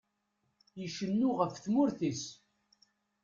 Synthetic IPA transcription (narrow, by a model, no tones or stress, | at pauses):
jəʃənːuʁəfθmʊɾθis